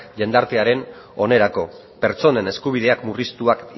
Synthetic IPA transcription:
ʎe̞nd̪aɾt̪eaɾe̞no̞ne̞ɾako̞ | pe̞ɾt͡so̞ne̞ne̞skuβ̞ið̞e̞akmurist̪uak

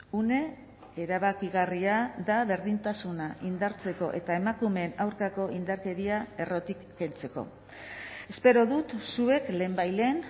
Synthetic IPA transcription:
une̞ | eɾaβ̞akiɣariaðaβe̞ɾðint̪asunaʔind̪aɾt͡se̞ko̞ʔe̞t̪ae̞makume̞ːnawɾkako̞ʔind̪aɾke̞ðiae̞ro̞t̪ikːe̞lt͡se̞ko̞̰ | e̞spe̞ɾo̞ðut̪sue̞kle̞ːmbajle̞n

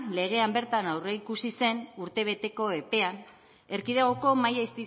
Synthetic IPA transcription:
le̞ɣ̞e̞ambe̞ɾt̪anawre̞ikusise̞nuɾt̪e̞β̞e̞t̪e̞ko̞e̞pe̞an | e̞ɾkiðeɣ̞o̞ko̞majaist̪i

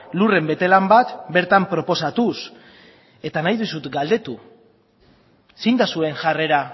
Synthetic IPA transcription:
lure̞mbe̞t̪e̞lambat̪be̞ɾt̪ampɾo̞po̞sat̪us | e̞t̪anajðusut̪ɡald̪e̞t̪u | sind̪asue̞ŋʝare̞ɾa

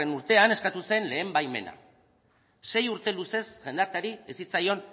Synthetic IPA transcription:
enuɾt̪e̞ane̞skat̪use̞nle̞ːmbajme̞̰na̰ | se̞juɾt̪e̞luse̞sʝe̞nd̪aɾt̪aɾiesit͡sajo̞n

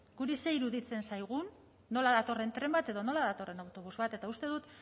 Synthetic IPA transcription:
ɡ̥uɾise̞iɾuðit͡se̞nsajɣ̞unː | o̞laðat̪o̞re̞nt̪ɾe̞mbat̪e̞ðo̞no̞laðat̪o̞re̞nawt̪o̞β̞uzβat̪e̞t̪aust̪e̞ðut̪

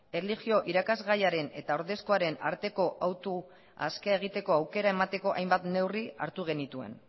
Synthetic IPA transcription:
eliʝio̞ʔiɾakazɣajaɾe̞ne̞t̪ao̞ɾðe̞sko̞aɾe̞naɾt̪e̞ko̞ʔawt̪u | a̰skeeɣ̞it̪e̞ko̞awke̞ɾae̞mat̪e̞ko̞ʔa̰jmbat̪ne̞wriaɾt̪uɣ̞e̞nit̪ue̞̰n

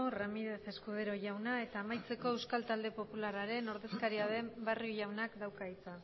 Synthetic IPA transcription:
ramiðe̞θe̞skuðeɾo̞ʝawnae̞t̪aːmajt͡se̞ko̞ewskalt̪ald̪e̞po̞pulaɾaɾe̞no̞ɾðe̞skaɾiað̞e̞mbarioʝawnakd̪awkait͡sa

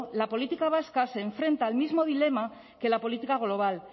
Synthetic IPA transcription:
lapo̞lit̪ikaβ̞askase̞ːɱfɾe̞nt̪aːlmizmo̞ðile̞ma | ke̞lapo̞lit̪ikaɣ̞lo̞β̞al

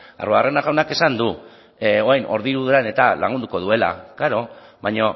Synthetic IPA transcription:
a̰roarenaɣawnake̞sand̪u | oajnʔo̞̰ɾðiɾuðeane̞t̪ala̰ŋɡund̪uko̞ð̞ue̞la̰kaɾo̞βajɲo

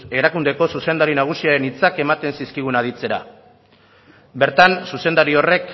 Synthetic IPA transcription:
e̞ɾakund̪e̞ko̞suse̞nd̪aɾinaɣ̞usiaɾe̞nit͡sake̞mat̪e̞nsiskiɣ̞unað̞it͡se̞ɾa | be̞ɾt̪ansuse̞nd̪aɾio̞re̞k

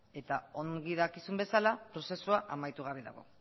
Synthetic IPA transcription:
e̞t̪ao̞ŋɡiðakisumbe̞salapɾo̞se̞suaʔamajt̪uɣ̞aβeða̰ɣo̞̰

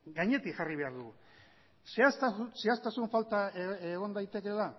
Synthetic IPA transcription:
ɡaɲe̞t̪ikxariβe̞aɾðu | seasse̞ast̪asuɱfalt̪aeeɣ̞o̞nd̪ajt̪e̞ke̞la

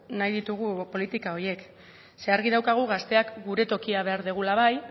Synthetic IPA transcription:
najðit̪uɣ̞upo̞lit̪ikao̞je̞k | se̞aɾɣið̞awkaɣ̞uɣast̪e̞akɡuɾe̞t̪o̞kiaβ̞e̞aɾðeɣ̞ulaβ̞aj

